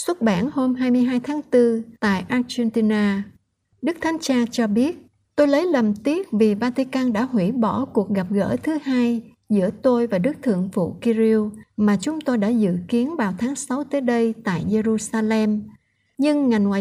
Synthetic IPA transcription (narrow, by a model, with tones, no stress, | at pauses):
swə˦˥t̚ɓaː˧˩nho˧mɦaː˧jmɨ˧əjɦaː˧jt̪ʰaː˨˦ŋt̪ɨ˧t̪a̰ː˧˨jʔaː˧t͡ɕɛ˧nt̪i˧naː˧ | ɗɨ˦˥k̚t̪ʰa˨˦jŋ̟t͡ɕaː˧t͡ɕɔ˧ɓi˦˥ət̚ | t̪o˧jlə˨˦jlə˨˩mt̪i˦˥ət̚vi˨˩vaː˧t̪i˧kaː˧nɗa̰ː˧˥ɦwḭ˧˩ɓɔ˧˩ku˨˩ək̚ɣa˨˩p̚ɣə̰ː˧˥˩t̪ʰɨ˨˦haː˧j | zɨ̰˧˥ət̪o˧jvaː˨˩ɗɨ˦˥k̚t̪ʰɨ̰˧˨əŋfṵ˧˨ki˧zi˧wmaː˨˩t͡ɕʊ˨˦ŋ͡mt̪o˧jɗa̰ː˧˥zɨ̰˧˨ki˨˦ənvaː˨˩wt̪ʰaː˨˦ŋsa˨˦wt̪əː˨˦jɗə˧jt̪a̰ː˧˨jze˧ɾu˧saː˧lɛ˧m | ɲɨ˧ŋːa˨˩jŋwaː˨˩